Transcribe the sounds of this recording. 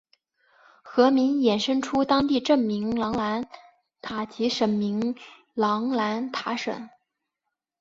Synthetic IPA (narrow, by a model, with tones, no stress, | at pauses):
xɤ˧˥mi˧˥njɛ˨˩nʂə˥ŋʈ͡ʂʰu˥t̪ɑ˥ŋt̪i˥˧ʈ͡ʂɤ˥˩ŋmi˧˥ŋlɑ˧˥ŋla˧˥n | t̪ʰa˨˩t͡ɕi˧˥ʂə˨˩nmi˧˥ŋ | lɑ˧˥ŋla˧˥nt̪ʰa˧˥ʂə̰˨˩˦n